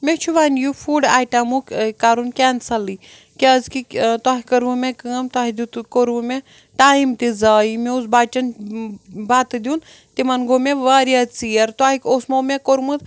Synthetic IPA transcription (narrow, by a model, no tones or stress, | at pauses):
mʲet͡ʃʰuʋaːnjufuːɖaːʈamukkaɾunkʲaːnsɐli | kʲeəzkit̪waːɦikɐɾʋumẽkɨmt̪aːɦid̪ut̪koɾʋume | ʈaːimt̪izaːimeusbaːt͡ʃɐn | baːt̪ɨd̪iun | t̪imɐnɡomeʋaːɾiat͡sijɐɾt̪waːɦikosmomʲekoɾmɨt̪